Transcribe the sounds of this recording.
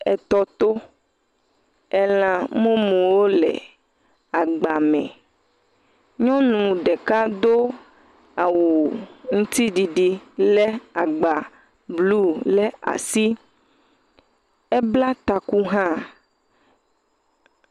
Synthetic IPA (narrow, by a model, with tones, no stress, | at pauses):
ɛ̰˨t̪ɔ˦t̪o˦ | ɛ˦l̃ã˨mõ˦mũ˨wo˦lɛ̰˨ | a˨ɡ͡ba˨mɛ̰̃˨ | ɲɔ̃˦nũ˨ɖe˨ka˦d̪o˦ | a˨wo˨ŋũ˦t̪i˦ɖi˨ɖi˨le˦a˨ɡ͡ba˨ | blu˦le˦a̰˨si˦ | e˦bla˦t̪a˨ku˦ɦã˦